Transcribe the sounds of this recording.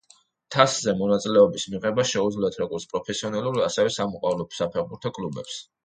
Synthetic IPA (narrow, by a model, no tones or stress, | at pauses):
t̪ʰaszɛmɔnat̪sʼilɛɔbismiʁɛbaʃɛud̪zliɛt̪ʰɾɔɡɔɾt̪spʼɾɔpʰɛsiɔnɛlˠuɾiasɛɛsamɔqʼwavlɔsapʰɛɾbuɾt̪ʰɔkʼlubɛ̰ps